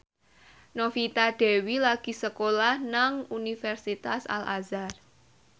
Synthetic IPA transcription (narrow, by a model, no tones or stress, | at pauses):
nofit̪aɖ̥ɛ̤wilaɡ̥i̤səkolahnaŋunifɛrsit̪asa̰la̰zar